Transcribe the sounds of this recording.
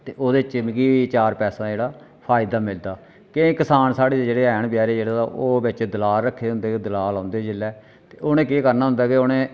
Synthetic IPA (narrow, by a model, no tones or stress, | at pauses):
t̪eːʔoːd̪eːt͡ʃɪmkiːʋit͡ʃaːɾpɛːsãːd͡ʒeːɽaː | pʰaːɪd̪aːmɪld̪aː | kɪkɪsaːnsaːɽeːd͡ʒeːɽeːɛːɳpjaːɾeːd͡ʒeːɽaʔoːbɪt͡ʃd̪əlaːlɾəkʰːeːɦʊ̃nd̪eːkːd̪əlaːlɦãːnd̪eːd͡ʒɪlːɛː | t̪eːoːnẽːkeːkəɾnaːɦʊ̃nd̪aːkeoːnẽː